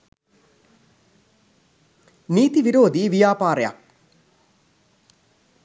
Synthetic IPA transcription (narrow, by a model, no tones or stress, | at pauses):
niːt̪iʋiɾoːd̪iːʋijaːpaːɾeja̰k̚